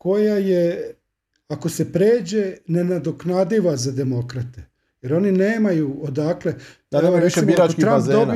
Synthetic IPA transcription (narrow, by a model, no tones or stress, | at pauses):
ko̞jaje | ako̞se̞pɾeːd͡ʑe̞ne̞nad̪oknad̪iʋazad̪e̞mo̞kɾat̪e̥ | je̞ɾo̞nineːmajuod̪akle | misibiɾakit̪ɾaampd̪oni